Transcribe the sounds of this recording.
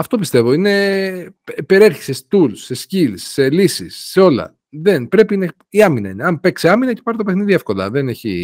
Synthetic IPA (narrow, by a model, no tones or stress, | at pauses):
ɐft̪o̞pist̪e̞vo̞ine̞ | ipeɾieɾçi̥sest̪ulse̞scilsːe̞lisisːe̞o̞lɐ̰ | ðe̞npɾe̞pinɐ | iɐminɐineɐmpekseɐminɐce̞̥pɐɾit̪o̞pe̞xniðiefko̞lɐ̰ðe̞ne̞çḭ